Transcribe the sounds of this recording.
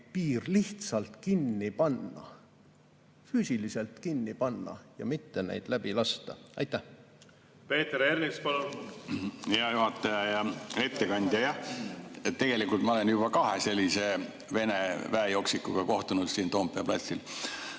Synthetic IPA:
piːrliht̪sɑlt̪kinːipɑnːɑ̰ | fyːsilise̞lt̪kinːipɑnːɑ̰jɑ̰mit̪ːenḛjd̪̥læb̥ilɑst̪ɑ̰ɑ̰jt̪ːæh | pe̞ːt̪eɾeɾmispɑlun | heɑjuɦɑt̪ːˑɑjɑjɑet̪ːe̞kɑnʲd̪̥ʲjɑjɑh | t̪ːe̞ɡ̥e̞likːˑult̪mɑole̞njubɑkɑɦese̞lʲːise̞ | ve̞nevæejo̞ksikːuɡ̥ɑko̞ht̪unud̪̥siːnt̪o̞ːmpːˑeɑplɑ̰t̪ʲsil

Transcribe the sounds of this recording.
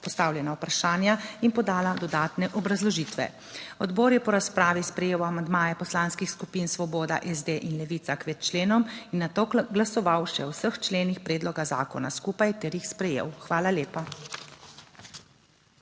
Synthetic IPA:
pɔst̪aːwljɛnawpɾaʃaːnjainpɔd̪aːlad̪ɔd̪aːt̪nɛʔɔbɾazlɔʒiːt̪ʋɛ̰ | ɔd̪boːɾjɛpɔɾaspɾaːʋispɾɛjeːwamand̪maːjɛpɔslaːnskixskupinsʋɔbɔːd̪a̰ʔɛzd̪eʔinlɛʋiːt̪sakʋɛt̪t͡ʃleːnɔminːat̪oːɡlasɔʋawʃɛ̰wsəxt͡ʃleːnixpɾeːd̪lɔɡaza̰ːkɔna̰skuːpajt̪ɛɾjixspɾɛjḛːwxʋaːlaleːpa

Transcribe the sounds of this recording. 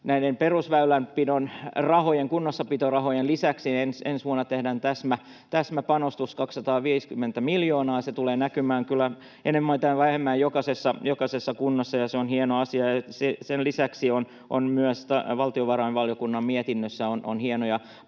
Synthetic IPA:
næinemperusʋæylæmpːinonrɑhojeŋkunːosːɑpit̪orɑhojenlisæksiensensʋuɑnːɑt̪ehdæːnt̪æsmæ | t̪æsmæpɑnost̪uskɑksːɑt̪ɑːʋiːskymːent̪æmiljoːnɑːset̪uleːnækymæːŋkylːˑæ | ḛnemːoit̪æʋæhemːæːjokɑsesːɑjokɑsesːɑkunːɑsːɑjɑseonhienoɑsiɑjɑsesenlisæksion | ʔo̰nmyæst̪ɑʋɑlt̪ioʋɑrɑinʋɑljokunːɑmmiɛt̪inːøsːæono̰nhiɛnojɑ

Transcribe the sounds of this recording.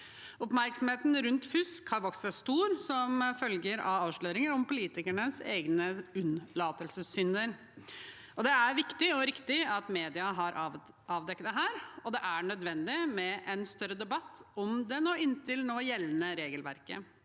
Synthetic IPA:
ɔpmæɾksɔmheːt̪nɾʉnt̪fʉskʰɑʋɔksəst̪uːɾsɔmfœlɡəɾɑʋɑːʋʂɭøːɾɪŋəɾɔmpʊliːt̪ɪkæɳəsḛːɡnəʉnlɑːt̪əlsəsʏnd̪əɾ | ɔd̪ɛæɾʋɪkt̪ɪɔɾɪkt̪ɪɑt̪meːd̪ɪɑɦɑɾʔ | ɑːʋd̪ɛkːt̪d̪ɛɦæːɾɔd̪ɛʔæɳœd̪ʋɛnd̪ɪmɛʔɛnst̪œɾːəd̪ɛbɑt̪ːɔmd̪ɛnoːɪnːt̪ɪlnoːjɛlːənəɾeːɡəlʋæ̰ɾkə̰

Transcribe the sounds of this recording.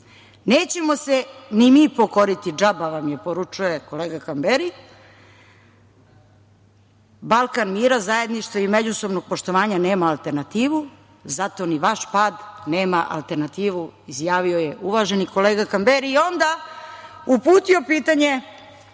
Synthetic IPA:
ne̞ːt͡ɕe̞mo̞senimipo̞koɾit̪id͡ʒabaʋamjepo̞ɾut͡ʂuje̞ko̞leːɡakambeɾi | balˠkanmiːɾazaje̞d̪niʃt̪ʋaimed͡ʑusobno̞ɡ̚po̞ʃt̪o̞ʋaːɲane̞ːmaːlˠt̪e̞ɾnat̪iːʋu | zat̪o̞niʋaʃpaːd̪neːmaʔa̰lˠt̪e̞ɾnat̪iːʋuizjaːʋio̞je̞ʔuʋaʒeniko̞leːɡakambeɾiːo̞nd̪a | upuːt̪io̞piːt̪aɲe̞

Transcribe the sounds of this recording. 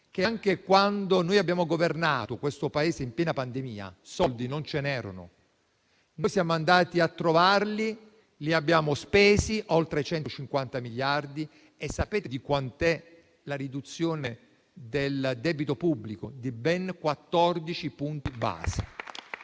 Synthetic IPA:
k̟eaŋk̟ekwand̪onoːjabːjaːmoɡovernaːt̪okwest̪opaeːzeimpjɛːnapand̪emiːa̰sɔld̪inont͡ʃenɛːɾo̰nʊ̰ | nojsjaːmoand̪aːt̪iat̪ːɾovarli | liabːjaːmospeːsiʔolt̪ɾet͡ʃɛnt̪ot͡ʃiŋkwant̪amiljard̪i | esːapeːt̪ed̪ikwant̪ɛ | laɾid̪ut̪sːjoːne | d̪eld̪ɛːbit̪opubːlikod̪ibɛŋkwat̪ːɔrd̪it͡ʃipunt̪iba̰ːse̥

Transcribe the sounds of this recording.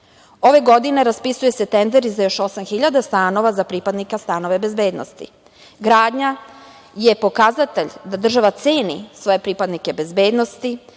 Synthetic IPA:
o̞ʋe̞ɡo̞d̪ine̞ɾaspisuje̞se̞t̪end̪eɾizajo̞ʃo̞samxiʎad̪ast̪aːno̞ʋazapɾipad̪nikast̪ano̞ʋe̞be̞zbeːd̪no̰st̪ḭ | ɡɾaːd̪ɲa | je̞po̞kazat̪e̞ʎd̪ad̪r̩ʒaʋat̪seːnḭsʋo̞je̞pɾipad̪nike̞be̞zbe̞ːd̪no̞st̪i

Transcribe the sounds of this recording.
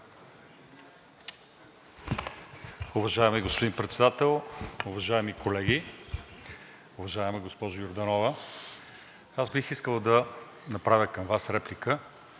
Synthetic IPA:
ʊvɐʒaɛmiɡospʊd̪inpɾɛt̪sɛd̪at̪ɛlˠʊvɐʒaɛmikolɛɡʲi | ʊvɐʒaɛmɛɡospɔʒʊjoɾd̪ɐnɔvə | azbixiskəlˠəd̪ɐ | nɐpɾavʲəkɐmvasɾɛplikə

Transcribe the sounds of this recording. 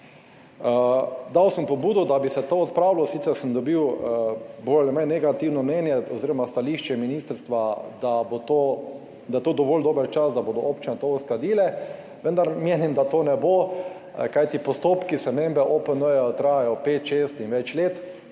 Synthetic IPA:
d̪awsəmpɔbuːd̪ɔd̪abisɛt̪oːɔt̪pɾawlɔsit̪sɛɾsəmd̪ɔbiw | bolɛmɛjnɛɡat̪iwnɔmnɛnjɛɔziːɾɔmast̪aliːʃt͡ʃɛminist̪əɾst̪ʋad̪abot̪o | d̪ajɛt̪oːd̪ɔʋoːld̪oːbəɾt͡ʃasd̪aboːd̪ɔʔopt͡ʃinɛt̪ousklad̪iːlɛ | ʋənd̪aɾmeːnimd̪at̪oːnɛbo | kajt̪ipɔst̪oːpkispɾɛmembɛʔoːpənəjɛt̪ɾajajɔpeːt̪ʃest̪inʋɛt͡ʃleːt̪

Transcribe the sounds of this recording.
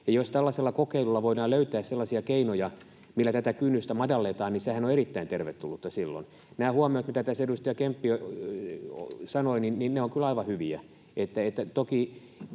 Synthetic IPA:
jɑjost̪ælːɑselːɑkokeilulːɑʋoidɑːløyt̪æːsselːɑsiɑkeinojɑ | milːæt̪æt̪ækynːyst̪æmɑdɑlːet̪ɑːnnisehænoeɾit̪ːæint̪erʋet̪t̪ulːut̪ːɑsilːo̰n | næːhuɑmiot̪mit̪æt̪æsedust̪ɑjɑkempːio̰ | sɑnoininninneoŋkylɑiʋɑhyʋiæ̰ | et̪ːæet̪ːæt̪oki

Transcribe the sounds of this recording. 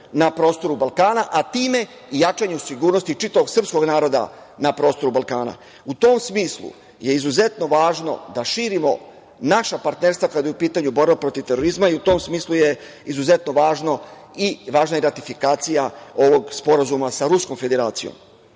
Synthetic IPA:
napɾo̞ːst̪o̞ɾubalˠkaːnaʔat̪iːme̞ | ijat͡ʃaɲeusiɡuːɾno̞st̪it͡ʃit̪aʋo̞ɡsr̩psko̞ɡnaːɾo̞d̪a̰ | napɾo̞ːst̪o̞ɾubalˠkaːna̰ | ut̪o̞msmiːslṵ | je̞izuze̞t̪no̞ʋaːʒno̞̰d̪aʃiːɾimo̞ | naʃapaɾt̪ne̞ɾst̪ʋakad̪ojupiːt̪aɲubo̞ɾbapɾo̞t̪iʋt̪e̞ɾo̞ɾizmaiut̪o̞msmiːsluje̞ | izuze̞t̪noʋaːʒno̞ | iʋaːʒnajeɾat̪ifikaːt̪sijao̞ʋo̞ɡspo̞ɾazumasaɾusko̞mfe̞d̪e̞ɾaːt̪sijo̰m

